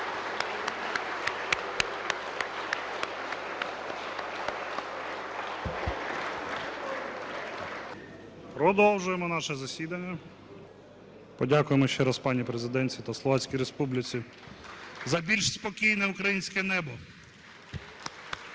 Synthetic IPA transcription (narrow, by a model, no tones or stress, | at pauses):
pɾɔd̪ɔlwʒʊjemɔnɑʃɛzɐsʲid̪ɐnʲːɐ | pɔdʲakʊjemɔʃt͡ʃɛɾɐspɑnʲipɾezɪd̪ɛnʲt͡sʲit̪ɐslˠɔʋɑt͡sʲkʲijɾespublʲɪt͡sʲi | zɐbʲilʲʃspɔkʲijnɛukɾɐjinʲsʲkɛnɛbɔ